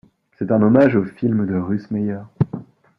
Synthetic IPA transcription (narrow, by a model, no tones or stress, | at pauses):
sɛt̪ɛ̃nɔmaʒofilməd̪əʁysmɛjœʁ